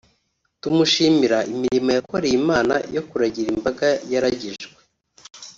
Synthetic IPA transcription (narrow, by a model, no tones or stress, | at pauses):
tumuʃiːmiɾaʔimiɾimojako̞ɾejimaːna̰jo̞kuɾaɟiɾimbaɡajaɾaɟiʒɡwe̞